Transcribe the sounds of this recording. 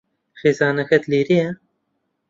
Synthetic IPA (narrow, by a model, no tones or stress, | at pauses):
xeːzɑːnɐxɛt̪liːɾijɛ